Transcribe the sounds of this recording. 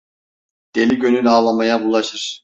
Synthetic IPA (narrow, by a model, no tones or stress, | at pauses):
d̪̥e̞lʲiɟønylaːlˠamajabulˠaʃɯɾ̥